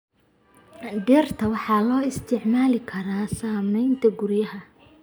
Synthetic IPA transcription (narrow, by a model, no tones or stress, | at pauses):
ɖɛːrt̪ʰɐwɑħɑːlɔːɪst̪ʰɪʕmaːlɪkʰɐɾaːsaːmɛjnt̪ʰɐɡʊrjɐɦɐ